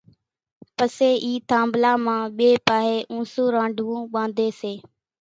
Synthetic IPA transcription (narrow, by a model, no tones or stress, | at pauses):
pəseːʔiːt̪ʰãːmblaːmãːɓeːpaːɦeːʔũːsũːɾãːɳɖʱʋũːɓãːnd̪ʱeːseː